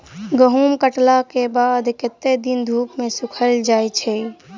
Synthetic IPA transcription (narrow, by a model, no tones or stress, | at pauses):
ɡəɦumkəʈlakebad̪kɪt̪ːed̪ind̪ʱuːpmẽsukʰəld͡ʒaːjt͡ʃʰɛ